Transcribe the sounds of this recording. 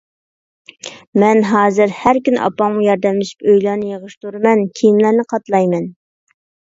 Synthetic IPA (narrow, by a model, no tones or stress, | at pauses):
mɛnɦɑːzɨɾhæɾkʲynʔɑ̰pɑŋmujɑɾd̪ɛmlɪʃi̥pøjlˠɑɾnɨjeʁəʃt̪ʰuɾɨmɛnkʲʰeijimlæɾnɪqʰɑt̪lˠɑjmɛn